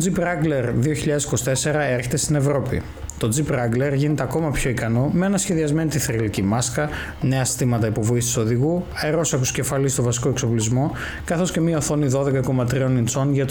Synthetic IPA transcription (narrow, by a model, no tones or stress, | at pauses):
t̪od͡zipɾɐɡle̞ɾðio̞çiʎɐðe̞si̥ko̞si̥t̪e̞se̞ɾɐe̞ɾçe̞t̪e̞st̪ine̞vɾo̞pḭ | t̪o̞d͡zipɾɐɡle̞ɾʝinet̪eɐko̞mɐpço̞ikɐno̞mee̞nɐsçe̞ðiɐzme̞nit̪iθɾilicimɐskɐ | ne̞ɐsi̥st̪imɐt̪ɐipo̞vo̞ist̪i̥so̞ðiɣuɐeɾo̞sɐxusce̞fɐlist̪o̞vɐsi̥ko̞ekso̞plizmo̞ | kɐθo̞sce̞miɐoθo̞niðo̞ðe̞kɐko̞mɐt̪ɾio̞nint͡so̞nʝɐt̪